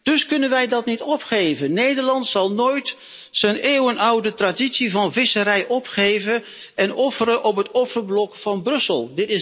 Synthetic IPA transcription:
d̥ɵskɵnənʋɛjdɑtnitɔpχejvənnejdəɹlɑntsɑlˠnoːjt | səneːwənʌwdətraditsivɑnvɪsəɾɛjʔɔpχejvə | ɛnɔfəɾənʔɔpɦətɔfəɹblɔkfɑnbrɵsəlˠdɪtɪ

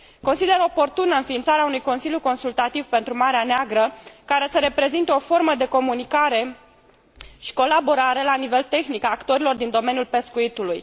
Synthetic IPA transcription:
ko̞nsid̪e̞ɾo̞po̞rt̪unəɨnfiːnt̪saɾeaunujko̞nsiljuko̞nsult̪at̪ivpe̞nt̪ɾumaɾeaneaɡɾəkaɾe̞səɾe̞pɾe̞zint̪eo̞fo̞rməd̪e̞ko̞munikaɾe̞ | ʃi̥ko̞labo̞ɾaɾe̞lanive̞lt̪e̞xnikaːkt̪o̞ɾilo̞rd̪ind̪o̞me̞njulpe̞skuit̪uluj

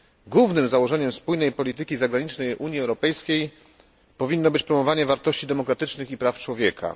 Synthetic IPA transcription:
ɡwuvnɘmzawɔʐɛɲɛmspujnɛjpɔlʲit̪ɘkʲizaɡɾaɲit͡ʂnɛjʔuɲjiɛwɾɔpɛjskʲej | pɔvʲinːɔbɘt͡ɕpɾɔmɔvaɲɛvaɾt̪ɔɕt͡ɕid̪ɛmɔkɾat̪ɘt͡ʂnɘxipɾaft͡ʂwɔvʲjɛkʰa̰

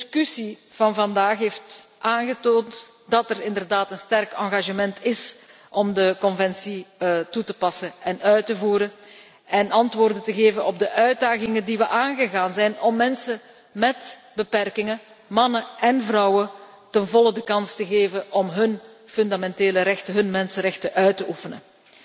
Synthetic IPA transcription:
skysiv̥ɑnvɑndaːxɦeːftʔaːnɣətoːnt | d̥ɑtɛrɪndərdaːtənstɛrkɑŋɣaʒəmɛntʰɪs | ʔɔmdəkɔnvɛnsitutəpɑsəɛnœɥtəvuːɾə | ɛnɑntʋoːrdətəɣeːvənɔb̚dəʔœɥdaːɣɪŋədiʋəʔaːnɣəɣaːnzɛjnɔmːɛnsə | mɛtbəpɛrkɪŋə | mɑnəɛnvrɑwə | tənvɔlˠədəkɑnstəɣeːvəʔɔmɦɵnfɵndamɛnteːləɾɛxtəɦɵnmɛnsərɛxtəʔœɥtəʔufənə

